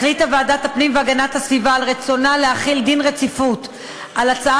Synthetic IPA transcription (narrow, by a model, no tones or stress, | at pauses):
χlitavaːdathapnimveaɡanathasvivaːlʁet͡so̞naleaχild̪inʁet͡sifut | ʔalat͡sa